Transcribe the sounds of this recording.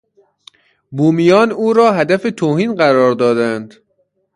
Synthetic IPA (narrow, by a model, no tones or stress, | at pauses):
buːmijɒːnuːɾɒːɦæd̪æfe̞t̪ʰoːhiːnɢæɾɒːɾd̪ɒːd̪ænd̪